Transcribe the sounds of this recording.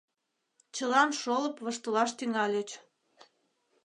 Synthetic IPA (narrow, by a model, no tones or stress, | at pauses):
t͡ɕəlɑnʃoləpβəʃt̪əlɑʃt̪yŋɑlʲet͡ɕ